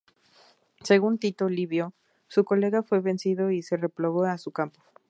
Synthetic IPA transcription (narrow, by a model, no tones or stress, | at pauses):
se̞ɣ̞unt̪it̪oliβjo | suko̞le̞ɣafwe̞βe̞nsiðo̞ise̞re̞ploɣoasukampo̥